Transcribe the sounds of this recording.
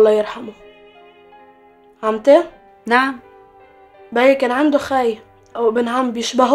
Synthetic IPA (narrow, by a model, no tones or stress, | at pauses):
lˤːɑjɪɾħamu | ʕamt̪e | naʕam | bajakeːnʕand̪uxaːj | ʔawbɪnɦambjɪʃbaɦ